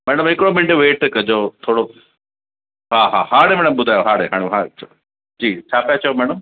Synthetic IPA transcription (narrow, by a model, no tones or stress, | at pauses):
mɛːɽəmɦɪkɪɽomɪ̃ɳɖʋeːʈkɐd͡ʑot̪ʰoːɽo | ɦaːɦa̰ːhaːɽemɛ̃ːɽəmɓʊd̪ʱaːjoɦaːɽeɦaːɽ̃iɦaː | d͡ʑiːt͡ɕʰaːpijat͡ɕɐjomɛːɽ̃əm